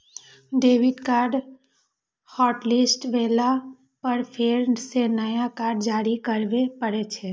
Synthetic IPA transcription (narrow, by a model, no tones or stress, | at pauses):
ɖeːʋɪʈkaːɾɖ | hɔːʈlɪsʈʋeːla | pəɾpʰeːɾsenəjakaːɾɖd͡ʒaːɾikəɾʋepəɽet͡ʃʰɛː